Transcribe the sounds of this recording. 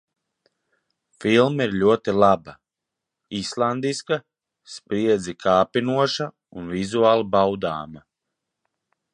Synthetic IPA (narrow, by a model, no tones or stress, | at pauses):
filˠmiɾlʲuɔt̪ilˠaba | islˠand̪iska | spɾiɛd̪zʲikʰaːpinuɔʃa | unvizuaːlˠabawd̪a̰ːma